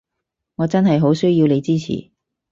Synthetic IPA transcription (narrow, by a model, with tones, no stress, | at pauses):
ŋɔː˨˧t͡sɐ˥nɦɐ˨jɦo˨˥wsɵ˥ɥjiː˧wne˨˧jt͡siː˥t͡sʰḭː˨˩